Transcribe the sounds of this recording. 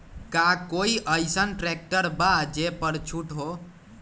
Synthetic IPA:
kakoiʔəjsənʈɾek̚ʈəɾbad͡ʒepəɽt͡ʃʰuʈɦo

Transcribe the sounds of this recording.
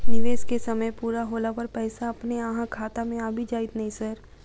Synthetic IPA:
nɪʋeːskesɐməjpuːɾaɦoːlapɐɾpɛːsaɐpneaɦãkʰaːt̪amẽaːbʱid͡ʒaːɪt̪nɐɦĩsəɾ

